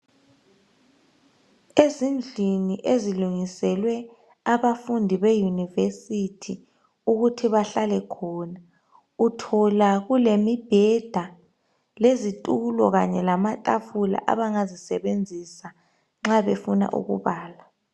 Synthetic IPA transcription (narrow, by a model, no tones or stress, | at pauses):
ezind͡ɮʱiniʔeziluŋisɛlwɛ | aβafundʱiβejunivesitʰi | uɣutʰiβaɬalɛkʰɔːna | utʰɔlaɣulemib̥ʱɛd̥ʱa | lezitʼulɔ̰ɣaɲɛlamatʼafula̰ʔa̰βaŋazisɛβend͡zʱisa | ŋ͡ǁaβefuna̰ʔṵɣṵβaːla